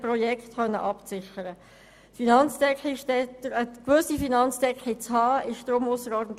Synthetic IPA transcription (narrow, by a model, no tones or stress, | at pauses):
prɔjɛktχœnːə̰ʔɑpt͡sɪχəɾə | finɑnt͡sd̥ɛkχiʃdɛdəkʋɵsifinɑnt͡sd̥ɛkχit͡shɑːɪʃd̥ɾʊmʊsəɾɔːɾdən̩t̪